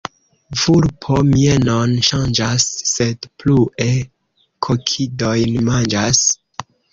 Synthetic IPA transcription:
vuɾpʰo̞mie̞nonʃand͡ʒasːe̞dpluʔe | kʰokʰido̞jnmand͡ʒas

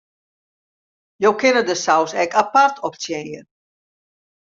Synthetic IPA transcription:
jowkʰɪnədəsawsɛkapartʰɔp̚t͡sjɛnjə̰

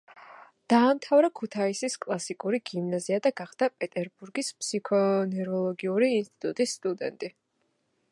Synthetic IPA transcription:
d̪̥aːmt̪ʰavɾakʰut̪ʰaisiskʼlˠasikʼuɾiɡimnaziad̪aɡaχd̪̥apʼɛt̪ʼɛɾbuɾɡispʰsikʰɔnɛɾɔlˠɔɡiuɾiːnst̪ʼit̪ʼut̪ʼisːt̪ʼud̪ɛnt̪ʼi

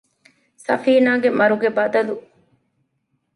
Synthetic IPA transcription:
sɐfiːnaːɡemɐɾuɡebɐd̪ɐlu

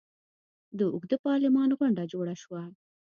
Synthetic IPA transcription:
d̪əʊɡd̪əpɑɾlɪmɑnɣʊɳɖad͡ʒoɽaʃwa

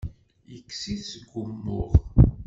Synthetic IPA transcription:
jəkːsiðsəɡʷːʊmːʊʁ

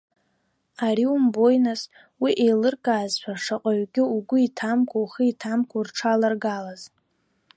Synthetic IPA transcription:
aɾiumbojnas | wiʔejlɨrkʼaːzʃʷʰᶣaʂaqʼaɥɡʲɪuɡʷʊitʰamkʷʰowχəitʰamkʷʰorʈ͡ʂʰalarɡalaz̥

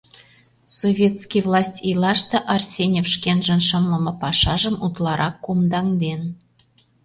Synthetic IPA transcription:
sovʲet̪skʲijvlˠɑsʲtʲilˠɑʃt̪ɤ̆ʔɑrsʲenʲefʃkenʒə̆nʃəmlə̆mɤ̆pɑʃɑʒəmut̪lˠɑɾʔɑkːomd̪ɑŋd̪en

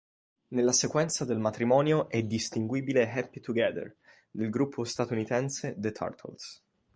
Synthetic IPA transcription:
nelːasekwɛnt̪sad̪elmat̪ɾimɔːnjoʔɛd̪ːist̪iŋɡwiːbileɦɛpit̪uɡɛd̪ə̰ɾ | d̪elɡɾupʰːost̪at̪unit̪ɛnsed̪et̪ʰa̰rt̪ʰo̰ls

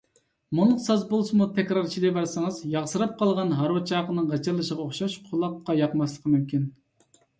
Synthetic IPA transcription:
munəqsɑzbolˠɨsɨmut̪ʰɛkʲɾɑɾt͡ʃʰilivɑɾsɨŋɨzjɑʁsɨɾɑp̚qʰɑlˠʁɑnɦɑɾwɑt͡ʃʰɑːqənɨŋʁɛt͡ʃʰɾlˠɨʃəʁɑoχʃɑʃqʰolˠɑqːɑjɑqmɑslˠəqʰəmymkʲin

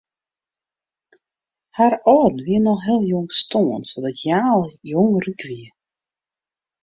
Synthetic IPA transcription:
haɾɔːdn̩ʋiənɔxɦɪəlˠjɔŋstoːənsɔdɔtjaːlˠjɔŋrykʰʋiə

